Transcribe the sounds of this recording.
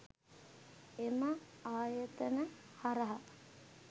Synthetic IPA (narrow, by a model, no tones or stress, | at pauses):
eməaːjət̪ənəhaɾəɦa